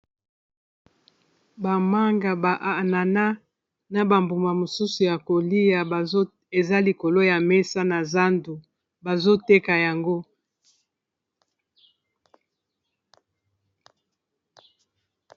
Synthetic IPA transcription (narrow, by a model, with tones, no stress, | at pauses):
ba˨ma˦ŋɡa˨ba˨ʔa˨na˨na˦ | na˨ba˨mbu˨ma˨mo˨su˦su˨ja˨ko˨li˦ja˨ba˨˦ | e˨za˦li˨ko˨lo˦ja˨mɛ˦sa˦na˨za˦ndu˨ | ba˨zo˦te˦ka˨ja˨ŋɡo˦